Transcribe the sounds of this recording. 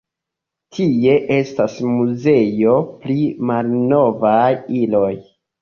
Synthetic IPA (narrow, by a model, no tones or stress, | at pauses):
tʰie̞ʔe̞stasmuze̞jo̞plimalno̞vajilo̞j